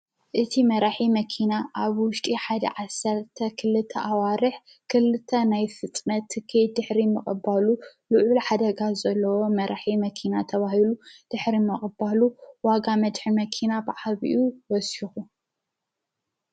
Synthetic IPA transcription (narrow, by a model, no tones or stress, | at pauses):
ʔɨt̪ʰimɐɾaħimɐkʰinaʔaβwʊʃt̪ʼiħad̪ɐ̰ʕasːɐɾt̪ʰɐkʰɨlɨt̪ʰːɐʔawaɾɨħ | kʰɨlɨt̪ʰːɐnajfɨt̪ʼnɐt̪ʰːɨkʰid̪ɨħɾimɨχʼɨbalulɨʕulħad̪ɐɡazɐlːɐwo̞mɐɾaħimɐkʰinat̪ʰɐβaɦilud̪̥ɨħɾimɨχʼɨbaluwaɡamɐd̪ħɨmɐkʰinabɨʕaβiʔuwɔsixu